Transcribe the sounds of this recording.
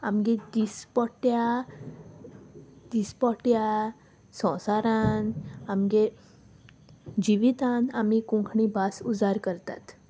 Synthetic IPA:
a̰mɡed̪ispɔʈja | d̪̥ispɔʈja | sɔ̃wsaɾãnamɡe | d͡ʑiʋit̪anamikũŋkʰɳibasud͡zaɾkəɾt̪a̰t̪

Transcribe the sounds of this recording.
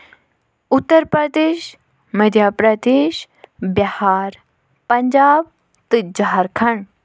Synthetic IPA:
ut̪ːəɾpɾəd̪eːʃ | mɐd̪ʱjaːpɾɐd̪eːʃ | bjɐhaːɾ | pɐɲd͡ʒaːb̚ | t̪ɨd͡ʒaɦaɾkʰɐɳ

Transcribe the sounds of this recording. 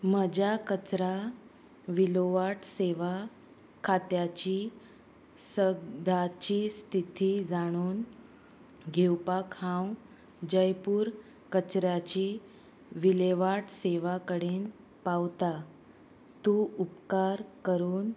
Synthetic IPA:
m̤əd͡ʑakət͡ɕɾa | ʋiloʋaʈseʋa | kʰat̪jat͡ɕiː | səd̪ʱat͡ɕiːst̪ʰit̪id͡zaɽ̃uːn | ɡʱewpakhãw | d͡ʑəjpuːɾ | kət͡ɕɾjat͡ɕiː | ʋileʋaʈseʋakəɽen | pawt̪a | t̪uupkaɾkəɾuːn

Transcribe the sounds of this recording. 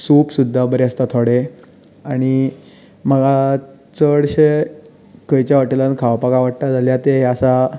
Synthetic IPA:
suːpsud̪ʱːabəɾeəst̪at̪ʰoɽe | aɽ̃i | m̤əɡa | t͡səɽɕe | kəjt͡ɕjaʋəʈilankʰaʋpakaʋaʈt̪ad͡zaljat̪eɦeasa

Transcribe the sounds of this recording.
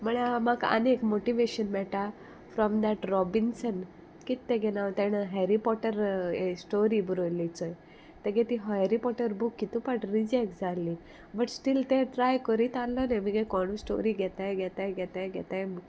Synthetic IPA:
məɭamakə̰nekmoʈiʋeɕənmɛʈa | fɾɔmd̪æʈɾɔbinsən | kit̪ːeɡenawt̪eɳɦeɾipɔʈəɾsʈoɾibuɾolit͡sɔj | t̪eɡet̪iɦɦeɾipɔʈəɾbukːit̪upaʈɾid͡ʒɛkd͡zalːi | bəʈsʈilt̪eʈɾajkəɾit̪alːɔnemiɡekɔɳ̃usʈo̰ɾiɡɛt̪ajɡɛt̪aɡɛt̪ajɡɛt̪aj

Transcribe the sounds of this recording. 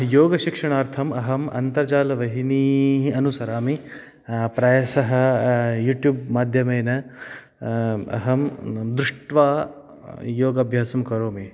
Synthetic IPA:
joːɡɐʃikʂɐɳaːɾt̪ʰɐmɐɦɐmɐ̰nt̪ɐɾd͡ʒaːlɐʋɐɦiniːɦiɐnusɐɾaːmi | pɾɐjɐsɐɦɐ̆juːʈjuːbmaːd̪ʱjɐmɐjnɐ | ɐ̰ɦɐmd̪ɾuʂʈʋaː | joːɡɐbʱjaːsɐmkɐɾoːmi

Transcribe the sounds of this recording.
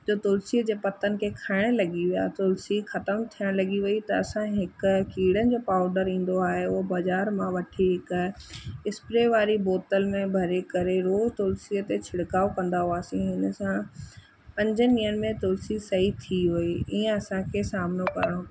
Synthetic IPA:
d͡ʑoːt̪ʊlsiːəd͡ʑeːpɐt̪ənɪ̆kʰeːkʰaːɪɽ̃lɐɠiʋija̰t̪ʊlsixɐt̪əmt̪ʰijəɽ̃lɐɡiʋɐit̪ɐɐsãɦɪkʊkiːɽənɪ̆d͡ʑoːpaːʊɖəɾĩːn̆d̪oaːɦeʊɦbɐzaːɾmãʋɐʈʰiɦɪkʊɪspɾeʋaːɾiboːt̪əlmẽbʱɐɾekɐɾeɾoːzt̪ʊlsiːət̪et͡ɕʰɪɽkaːokɐ̃nd̪aɦoaːsĩɦɪn̆sã | pɐ̃ɲd͡ʑəniːənɪ̆mẽt̪ʊlsisɐɦit̪ʰiɦʊiiːə̃ɐsãkʰesaːmnokɐ̰ɾəɽ̃õ

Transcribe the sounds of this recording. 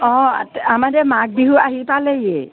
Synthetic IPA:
ɔ̰amadɛmak̚biɦuaɦipalɛjɛ

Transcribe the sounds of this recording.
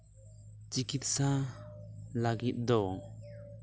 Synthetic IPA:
t͡ʃikit̪̚sa | laɡit̪̚d̪ɔ

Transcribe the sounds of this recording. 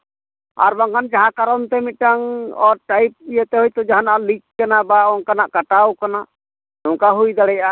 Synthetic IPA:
a̰ɾbaŋkʰand͡ʒaɦakaɾɔnt̪ɛmit̪ʈaŋɔɾʈajp̚ijət̪ɛɦɔjt̪ɔd͡ʒaɦanaʔlikːanabaɔŋkanaʔkaʈawkana | nɔŋkaɦujd̪aɽɛja

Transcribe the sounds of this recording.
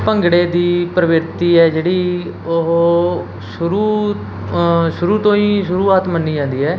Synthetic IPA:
pəŋɡɽeːd̪iːpɾəʋɪɾt̪iːɛːd͡ʒeːɽiː | oɦ | ʃʊɾuː | ʃʊɾuːt̪õːĩːʃʊɾuːaːt̪mənːiːd͡ʒãːnd̪iːɦɛː

